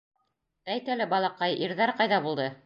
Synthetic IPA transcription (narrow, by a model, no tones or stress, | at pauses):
t̪æjt̪ælɘbɑlˠɑqɑjʔiɾðæɾqɑjðɑbulˠd̪ɤ